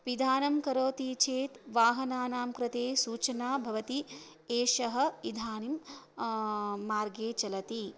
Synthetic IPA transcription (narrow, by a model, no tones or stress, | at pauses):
ʋid̪ʱaːnɐmkɐɾoːt̪it͡ʃʰeːt̪ʋaːɦɐnaːnaːmkɾɪt̪eːsuːt͡ʃɐnaːbʱɐʋɐt̪i | eːʃɐɦɐ̆id̪ʱaːnim | aːɾɡeːt͡ʃɐlɐt̪i